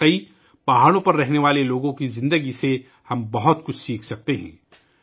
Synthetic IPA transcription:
əi | b̥aɦaːɽ̃õpɐɾːɛɦneʋaːleloːɡõkizɪ̃nd̪əɡise | hɐ̃mbɐɦʊt̪kʊt͡ʃʰsiːkʰsɐk̚t̪eɦɛ̰̃ː

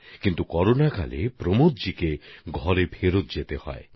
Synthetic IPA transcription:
kint̪ukɔɾonaka̰lepɾomot̪̚d͡ʒikeɡʱɔɾebʱeɾot̪̚d͡ʒet̪ehɔ̰e

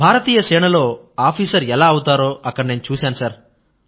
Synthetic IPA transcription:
bʱaːɾɐt̪iːjɐʃɛːɳɐlo̞ː | aːpʰiːsɐɾɛlaːɐwut̪aːɾo̞ːʔɐkːɐɽne̞ːnut͡ʃuːsaːnusaːɾ

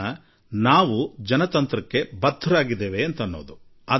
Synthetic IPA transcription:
ɐ | naːʋud͡ʒɐnɐt̪ɐnt̪ɾɐkːe̞bɐd̪ʱːuɾaːɡid̪eːʋeːnt̪ɐnːo̞ːd̪u | ɐ

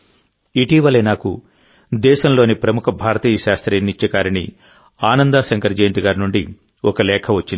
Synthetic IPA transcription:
iʈiːʋɐlɐnaːkṵ | d̪ɛːʃɐmlo̞ːnipɾɐmukʰɐbʱaːɾɐt̪iːjɐʃaːst̪ɾɐnːit͡ʃːɐkaːɾinḭ | aːnɐnd̪aːsɐŋkɐɾd͡ʒeːnt̪iɡaːɾinuɳɖi | ɔkɐlɛːkʰɐʋɐt͡ʃːin

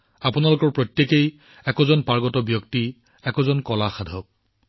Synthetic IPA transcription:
apunalʊkɔɹpɹotjekej | ɛkɔzɔnpaɹɡɔtɔbjɔkti | ɛkɔzɔnkɔlaxadʱɔk̚

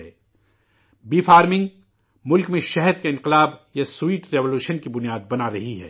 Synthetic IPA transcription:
ɛː | biːfaːɾmɪ̃ŋɡ | mʊlkmẽʃɛɦɛd̪kaɪ̃nqɪlaːbjasuiːʈɾɛʋoluːʃənkibʊnijaːd̪̚bɐnaɾɐɦiɦɛ̰ː

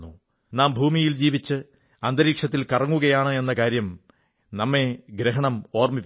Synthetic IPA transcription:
u | naːmbʱuːmijild͡ʑiːʋit͡ɕːɨ | ɐnd̪ɐɾiːkʂɐt̪ːilkɐrɐŋːuɣɐjaːɳɨe̞nːɐkaːɾjɐm | nɐmːe̞ɡɾɐɦɐɳɐmo̞ːrmiʋ

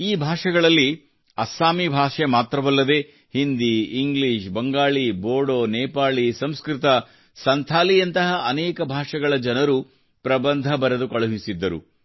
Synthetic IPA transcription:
iːbʱaːʂɐɡɐɭɐlːi | ɐsaːmibʱaːʂemaːt̪ɾɐʋɐlːɐd̪e̞ | hind̪iːŋɡliːʃbɐŋɡaːɭiboːɽoːnɛːpaːɭisɐmskɾit̪ɐ | sɐnt̪ʰaːlijɐnt̪ɐɦɐʔɐnɛːkɐbʱaːʂɐɡɐɭɐd͡ʒɐnɐɾu | pɾɐbɐnd̪ʱɐbɐɾɐd̪ukɐɭɐɦisid̪ːɐɾṵ

